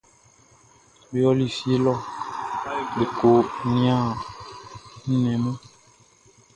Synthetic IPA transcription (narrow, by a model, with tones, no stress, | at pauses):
bi˦ɔ˦li˦˨fi˦e˦lɔ˦ | li˨ko˨nĩ˦a˦˨ | n̩˦nɛ̃˨mɔ̃˦